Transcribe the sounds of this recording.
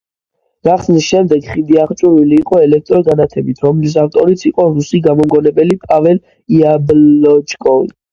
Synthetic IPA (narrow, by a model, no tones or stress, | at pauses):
ɡaχsnisʃɛmd̪ɛɡχid̪iaχt͡ʃʼuɾiliːqʼɔɛlɛk̚ʰt̪ʼɾɔɡanat̪ʰɛbit̪ʰɾɔmlis̬aft̪ʼɔɾit̪sʰiqʼɔɾusiɡamɔmɡɔnɛbɛlipʼavɛl | iablɔt͡ʃkʼɔvḭ